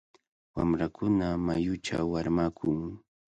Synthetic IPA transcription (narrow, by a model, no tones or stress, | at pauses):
wa̰mɾakʊnamajʊt͡ʃa̰wːaɾmakʰʊŋ